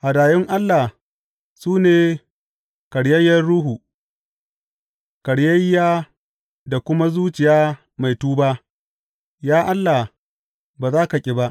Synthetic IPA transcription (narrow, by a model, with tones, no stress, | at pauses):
ha˨daː˨jɪ˦ŋʔa˦lːa˨ | suː˦neː˨ | kɐ˨ɽjɐ˦jːɐ˦rɽuː˦ɦuː˨ | kɐ˨ɽjɐ˦jːaː˦ | da˨kʷʊ˦ma˦zuː˦t͡ʃɪ˨jaː˦ | ma˨jtuː˦baː˦ʔ | jaː˦ʔa˦lːa˨ | baː˨zaː˦ka˨kʲʼɪ˦ba˦ʔ